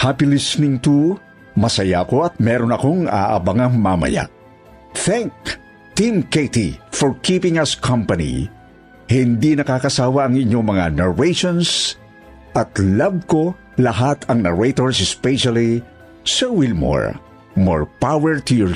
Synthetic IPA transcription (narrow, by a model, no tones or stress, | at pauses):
hapilisnɪŋt̪u | mɐsɐjako̞ɐt̪̚mɛɾonɐko̞ŋa̰ʔɐ̰bɐŋɐŋmamɐ̰ja̰ʔ | θɛŋk̚ | t̪imket̪ifɔɹkipɪ̃ŋɐskʰɐ̃mpɐnḭ | hind̪inɐkaːkɐsaːwɐɐŋiɲːo̞ŋmɐŋanɐɹeʃons | ʔɐt̪lab̚ko̞ | lɐɦat̪ʰɐŋnɐɹejt̪oɹsɛspɛʃali | sɐwilmɔ̰ɹ | mo̰ɹpawɛɹt̪ujɔɹ